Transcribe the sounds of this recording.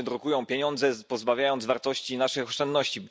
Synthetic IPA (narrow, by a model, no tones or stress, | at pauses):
ɘd̪ɾɔkujɔ̃w̃pʲjeɲɔnd̪zɛpɔzbavʲjajɔnd̪vaɾt̪ɔɕt͡ɕinaʂɘxɔʂt͡ʂɛnd̪nɔɕt͡ɕi